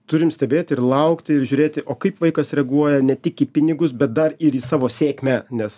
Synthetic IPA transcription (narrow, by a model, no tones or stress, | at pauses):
t̪ʊɾʲɪmsʲt̪ʲɛbʲeːt̪ʲɪɾlˠɐʊkt̪ʲɪɪɾʒʲuːɾʲeːt̪ʲɪʔoːkɐɪpʋɐɪkɐsɾʲɛɡuɔjɛnʲɛt̪ʲɪkiːpʲɪnʲɪɡʊsbʲɛt̪̚d̪ɐrɪɾiːsɑːʋoːsʲeːkmʲænʲɛs